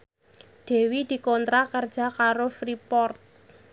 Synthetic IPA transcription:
ɖ̥e̤wid̪̥i̤kɔnt̪ɾakərd̥d͡ʒ̥a̤kaɾofɾipɔrt̪̚

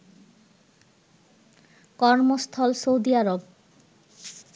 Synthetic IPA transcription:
kɔɾmost̪ʰɔlsowd̪iaɾob

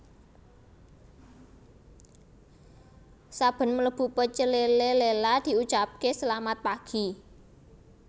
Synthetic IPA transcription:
sab̥ə̤nmələb̥ṳpət͡ʃəlelelelad̪̥i̤ut͡ʃap̚kesəlamat̪̚paɡ̥i̤

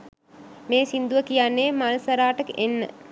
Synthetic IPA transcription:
meːsind̪uʋəkijanːeːmaləsɐɾaːʈəkenːə̰

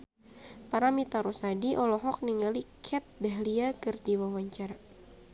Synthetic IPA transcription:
paɾamit̪aɾɔsadiʔɔlɔɦɔk̚niŋalikʰɛt̪̚dɛɦliakɨrdiwawaɲt͡ʃaɾa

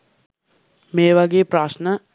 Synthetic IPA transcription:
meːʋaɡeːpɾaːʃnə

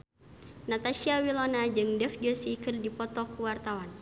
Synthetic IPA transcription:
nat̪aʃiawilɔnad͡ʒɨŋdɛfd͡ʒɔsikɨrdipɔt̪ɔkuwart̪awan

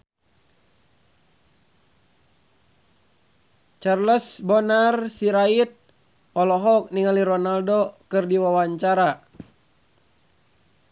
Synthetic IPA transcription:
t͡ʃarləsbonarsiɾait̪̚ | ɔlɔɦɔk̚niŋaliɾɔnaldokɨrdiwawaɲt͡ʃaɾa

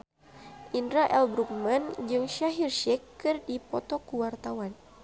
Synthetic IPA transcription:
ʔindɾaʔɛlbɾuk̚mand͡ʒɨŋʃaɦirʃɛkːɨrdipɔt̪ɔkuwart̪awan

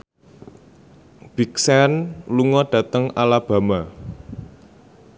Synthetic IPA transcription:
b̥iksɛnluŋɔɖ̥a̤t̪əŋalab̥ä̤ma

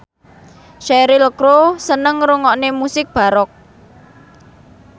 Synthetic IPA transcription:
ʃɛɾiləkɾosənəŋɾuŋɔʔnemusɪk̚b̥a̤ɾɔk̚

